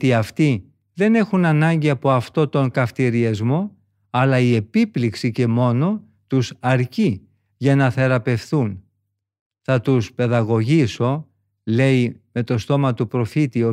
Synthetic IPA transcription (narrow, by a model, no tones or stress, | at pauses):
t̪iɐft̪i | ðe̞ne̞xunɐnɐɲɟiɐpo̞ɐft̪o̞t̪o̞ŋkɐft̪iɾiɐzmo̞ | ɐlɐie̞pipliksice̞mo̞no̞ | t̪usɐɾci | ʝɐnɐθe̞ɾɐpe̞fθun | θɐt̪uspe̞ðɐɣo̞ʝiso̞ | le̞ime̞t̪o̞st̪o̞mɐt̪upɾo̞fit̪io